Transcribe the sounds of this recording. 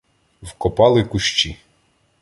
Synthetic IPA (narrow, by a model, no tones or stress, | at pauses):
wkɔpɑlˠɪkʊʃt͡ʃi